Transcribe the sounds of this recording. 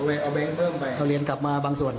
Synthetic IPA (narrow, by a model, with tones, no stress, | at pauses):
wɛ˧ʔa˧˩bɛ˧ŋpʰɤː˥˩mpa˧jkʰa˧˩wli˧ənkla˨˩p̚maː˧baː˧ŋsu˨˩ən